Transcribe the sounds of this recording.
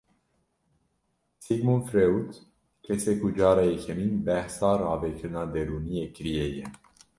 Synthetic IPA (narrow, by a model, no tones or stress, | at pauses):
siɡmunfɾeut̪ | kesekud͡ʒaɾajeçeminbɛhsaɾavekɨnad̪eluniekɾieje